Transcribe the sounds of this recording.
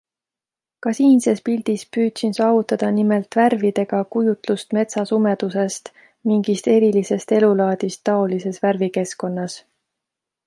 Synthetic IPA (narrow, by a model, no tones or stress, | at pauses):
kɑsiːnse̞spild̪̥ispyːt̪sinsɑːvut̪ːˑɑd̪̥ɑnime̞lt̪værvid̪e̞ɡ̥ɑkujut̪lust̪me̞t̪sɑsume̞d̪̥use̞st̪ | miŋɡ̥ist̪e̞ɾilise̞st̪e̞lulɑːd̪̥ist̪ːɑo̞lise̞sværvike̞sko̞nːɑs